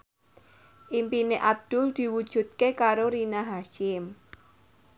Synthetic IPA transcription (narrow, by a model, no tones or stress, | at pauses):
ʔimpineʔab̚d̪̥ʊ̤ld̪̥i̤wud̥ʒ̥ṳt̪̚kekaɾoɾinaɦaʃɪm